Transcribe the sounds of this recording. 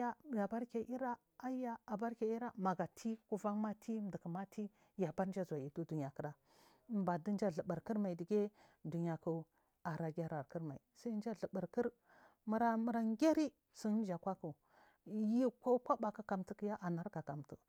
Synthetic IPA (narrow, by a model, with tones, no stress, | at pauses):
a˦ja˨ba˦ɾke˨ʔi˦ɾa˦ | a˦ja˦a˨ba˦ɾke˨i˦ɾa˦ma˨ɡa˨tʰi˦ku˦va˦ŋma˦tʰi˦m˦də˨kə˨ma˦tʰi˦ | ja˨ba˦ɾnd͡ʒa˦za˨ji˨du˦du˨ɲ˨a˨kə˨ɾa˨˦ | ba˨də˦n˦d͡ʒa˦ɮə˨bə˨ɾkə˦ɾma˨i˨di˨ɡʲe˦ | du˨ɲ˨a˨ku˦ | a˨ɾa˨ɡʲa˦ɾa˨ɾkə˦ɾma˨ḭ˨sa˦n˦d͡ʒa˦ɮə˨bə˨ɾkə˦ɾ | mə˨˦ɾa˦mə˦ɾa˦ŋ˦ɡʲa˦ɾi˦ | si˦n˦n˦d͡ʒa˨kʷa˦ku˨ | ji˦ko˦kʷa˦ba˨ka˦ka˨mtə˦ki˦ja˦ʔa˨na˦ɾka˨ka˨mtu˨